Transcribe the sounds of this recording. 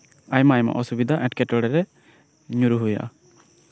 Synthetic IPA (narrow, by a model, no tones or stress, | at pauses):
ajmajma̰ʔɔsubid̪ʱaʔɛ̃ʈkɛʈɔɽɛɾɛ | ɲuɾuɦuja̰ʔa̰